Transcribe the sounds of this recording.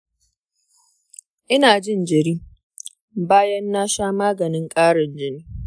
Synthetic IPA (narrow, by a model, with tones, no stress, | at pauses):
ʔɪ˦naː˨d͡ʒɪ˦˨nd͡ʒɪ˨ɾiː˦ | baː˦jɐ˦nːaː˦ʃaː˦maː˦ɡɐ˨nɪ˦ŋkʼaː˦ɽɪ˨nd͡ʒɪ˦niː˦